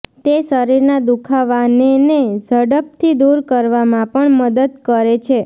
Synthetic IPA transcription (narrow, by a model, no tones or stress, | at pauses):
t̪esəɾiɾnad̪ukʰaʋanened͡ʒəɽəp̚t̪ʰid̪uɾkəɾʋamãpəɳməd̪əd̪̚kəɾet͡ʃʰe